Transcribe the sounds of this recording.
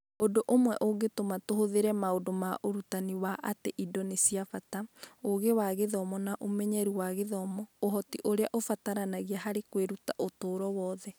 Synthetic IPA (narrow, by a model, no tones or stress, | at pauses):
odoʔomwɛʔoɡetomatohoðeɾɛmaodomaʔoɾutaniwaʔateʔidɔnesiafataoɣewaɣeðɔmɔnaʔomɛɲɛɾuwaɣeðɔmɔoɦɔtiʔoɾeaʔofataɾanaɣiaɦaɾekweɾutaʔotoːɾɔwɔːðɛ